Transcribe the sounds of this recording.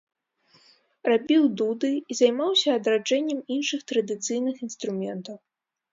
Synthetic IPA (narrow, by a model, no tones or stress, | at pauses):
rabʲiwd̪ud̪ɨizajmawsʲɐːd̪ɾad͡ʐɛnʲːɛminʂɨxt̪ɾɐd̪ɨt̪sɨjnɨxinst̪ɾumʲɛnt̪ɐw